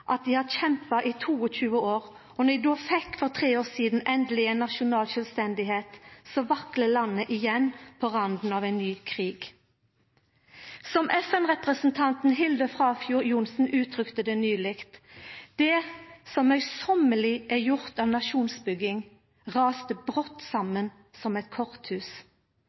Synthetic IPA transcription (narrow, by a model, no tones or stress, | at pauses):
ʔɑt̪̚d̪iːhɑd̪çɛmpɑʔiːt̪ʰuːɔc͡çʉːəoːʁ | ɔnɛd̪uːfɛkːfɔʁt̪ʰʁeːoːʁsiːd̪n̩ʔɛnd̪lɪenːɑʃʊnɑːlʃœlst̪ɛnd̪ɪheːt̪sɔʋɑkləlɑnːəʔɪjɛnpʰɔʁɑnd̪n̩ɑːʋeɪnnyːkʰʁiːɡ̥ | sɔmʔɛfɛnʁɛpʁəsn̩t̪ʰɑnt̪n̩ɦɪld̪əfʁɑːfjuːʁjʊnsn̩ʉːt̪ʰʁʏkt̪əd̪ɛnyːlɪkt̪d̪̥ɛːsɔmœʏsɔməlɪʔɛjʊʁt̪ɑːʋnɑʃuːnsbʏɡɪŋ | ʁɑːst̪əbʁɔt̪ːsɑmən | sɔmɛt̪kʰɔʁt̪hʉːs